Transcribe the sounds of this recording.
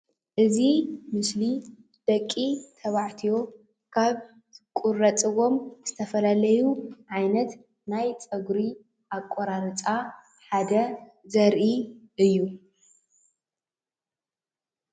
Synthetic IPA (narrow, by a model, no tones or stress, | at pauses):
ʔɨzimɨsli | d̪̥ɐkʼːit̪ʰɐβaʕt̪ʰijo̞ | kʰaβ | kʼurɐt͡sʼɨɣo̞mz̥ɨt̪ʰɐfɐlalɐjuʕajnɐt̪ | najt͡sʼɐɡɾi | ʔakʼːoɾaɾɨt͡sʼa | ħad̪ɐzɐɾʔiʔɨjːu